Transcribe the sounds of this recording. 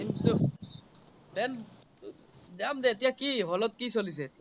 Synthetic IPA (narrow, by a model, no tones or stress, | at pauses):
it̪o | bɛn | zamdɛet̬ijakiɦɔlɔt̚kisolis̬ɛ